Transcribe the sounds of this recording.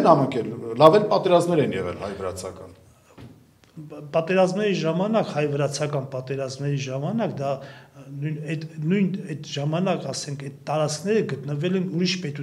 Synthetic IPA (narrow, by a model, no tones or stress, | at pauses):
nɑməkɛlːɑvɛlpɑt̪ɛɾɑzmnɛɾɛnjɛʁɛ̰lhɑjvəɾɑ̰t͡sʰɑkɑ̰n | pɑt̪ɛɾɑzmnɛɾiʒɑmɑnɑkhɑjvəɾɑt͡sʰɑkɑnpɑt̪ɛɾɑzmnɛɾiʒɑmɑnɑkd̪ɑnujnɛd̪nujnɛd̪ʒɑmɑnɑkɑsɛŋkʰɛt̪t̪ːɑɾɑt͡skʰnɛɾəɡət̪nəvɛlɛnuɾiʃpɛt̪u